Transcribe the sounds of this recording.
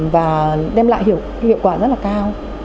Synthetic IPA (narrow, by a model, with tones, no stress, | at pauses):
vaː˨˩ɗɛ˧mla̰ː˧˨jɦi˧˩˨əwhḭ˧˨əwkwaː˧˩zə˦˥t̚laː˨˩kaː˧w